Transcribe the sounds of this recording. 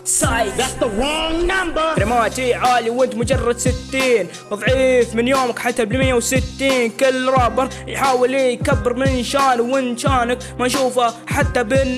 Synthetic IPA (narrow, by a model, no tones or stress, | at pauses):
sajat̪ːoŋnambɑɾɾɪmaːt̪iʕaːliwɪnt̪mʊd͡ʒɑrˤːɑd̪sɪt̪ːiːn | ðˤʕiːfmɪnjoːmakħat̪ːabɪlmɪjːawsɪt̪ːiːnkɪlːɾˤɑːbɪɾˤ | jħaːwɪlːijkabːɪɾmɪnʃaːnwɪnʃaːnak | maʃuːfaħat̪ːabɪn